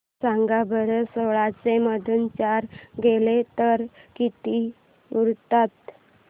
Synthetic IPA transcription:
sãŋɡabəɾəsoɭat͡seməd̪ʱunt͡ɕaɾɡelet̪əɾkit̪i | uɾt̪at̪

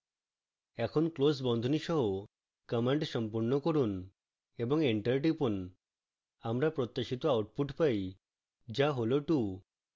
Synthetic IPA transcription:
ɛkʰonklos̬bɔnd̪ʱoniʃɔɦo | kʌmeɳʈʃɔmpuɾnokoɾun | eboŋeɳʈəɾʈipun | amɾapɾot̪ːaʃit̪oawʈpuʈpaj | d͡ʑaɦoloʈu

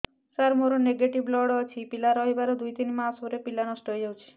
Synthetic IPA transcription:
saɾmoɾoneɡeʈiblɔɽɔt͡ʃʰipilaɾɔɦibaɾod̪ujt̪inmasoɾepilanɔsʈɔjjɔwt͡ʃʰi̥

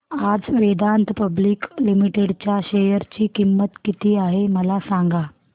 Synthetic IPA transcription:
ad͡zʋed̪ant̪əpəbliːklimiʈeɽt͡ɕjaɕejəɾt͡ɕiːkimːət̪kit̪iːaɦeməlasaŋɡa

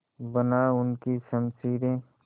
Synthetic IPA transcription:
bənaʊnkisəmsiːɾẽː

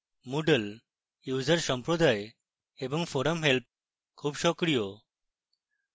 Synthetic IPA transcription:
muɖəl | juzəɾsɔmpɾod̪ʱaj | ebɔŋfʰɔɾəmɦelp̚ | kʰuːbʃɔkɾijo

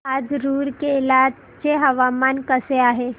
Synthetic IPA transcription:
aːd͡ʒɾuːɾkeɪlaː | t͡ʃeɦɐʋaːmaːnkɐseaːɦe

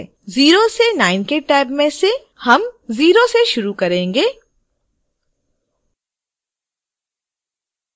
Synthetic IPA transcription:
ziːɾosenaːɪnkeʈɛːbmẽse | hɐmziːɾoseʃʊɾukɐɾẽːŋɡeː

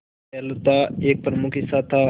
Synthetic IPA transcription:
ɛlut̪aːeːk̚pəɾmukʰisaːt̪ʰaː

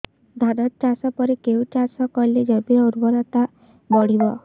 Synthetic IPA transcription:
d̪ʱad̪ɔtt͡ʃasɔpɔɾekeut͡ʃasɔkɔiled͡ʒɔbiɔuɾbɔɾɔt̪a | bɔɽ̤ibɔ

